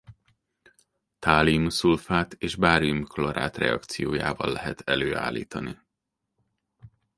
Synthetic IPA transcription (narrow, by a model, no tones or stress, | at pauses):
t̪aːlimsulfaːt̪ʰeːʒbaːɾimkloɾa̰ːt̪rɛɒkt̪sijoːja̰ːvɒlːɛɦɛt̪ʰɛløːa̰ːlːḭːt̪ɒni